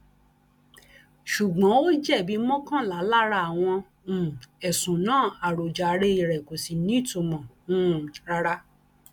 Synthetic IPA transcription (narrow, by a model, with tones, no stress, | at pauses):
ʃu˨ɡ͡bɔ̃˨˦o˦d͡ʒɛ˦˨bi˨˦mɔ̃˦kã˦la˨˦la˦ɾa˧˨w̃ɔ̃˧˨ | ɛ˨sũ˨nãː˦˨a˨ɾo˨d͡ʒa˨˦ɾe˦i˧˨ɾɛ˨ko˨si˨nĩ˦˨to˧mɔ̃˨ | ũ˦ɾa˧ɾa˦